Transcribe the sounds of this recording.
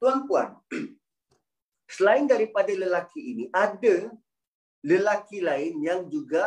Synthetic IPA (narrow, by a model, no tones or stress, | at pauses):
t̪uanpua̰n | səlaɪndaɾipadaləlakiiniʔada | ləlakilaɪnjaŋd͡ʒuɡa